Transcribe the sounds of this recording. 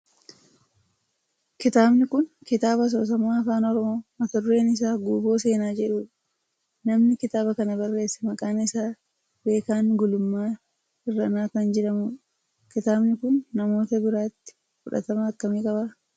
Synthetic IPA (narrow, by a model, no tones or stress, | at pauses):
kɪt̪aːbnɪkʊnkɪt̪aːbɐs̬o̞ːs̬ɐmaːɐfaːnɔɾɔmo̞ːmɐt̪ʊrːe̞ːnɪs̬aːɡuːbo̞ːse̞ːnaːd͡ʒɛᶑuːᶑɐ̥ | nɐmnɪkɪt̪aːbɐkɐnɐbɐrːe̞ːsːɛ̥mɐkʼaːnɪsaː | be̞ːkaːŋɡʊlʊmːaː | ɪrːɐnaːkɐnd͡ʒɛᶑɐmuːᶑɐ̥ | kɪt̪aːbnɪkʊnːɐmo̞ːt̪ɐbɪɾaːt̪ːɪ̥ | fʊᶑɐ̰t̪ɐmɐːkːɐmiːkʼɐbaː